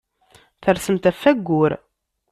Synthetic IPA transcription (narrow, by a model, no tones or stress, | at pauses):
θəɾsəmt̪æfːæɡːʊɾ